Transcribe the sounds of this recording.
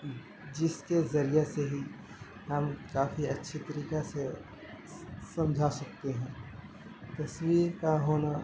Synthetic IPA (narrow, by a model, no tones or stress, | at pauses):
d͡ʒɪskezɐɾijeseɦi | ɦɐmkaːfiɐtːʃʰit̪ɐɾiːkase | sɐ̃md͡ʒʱasɐk̚t̪eɦɛ̃ː | t̪ɐswiːɾkaɦoːna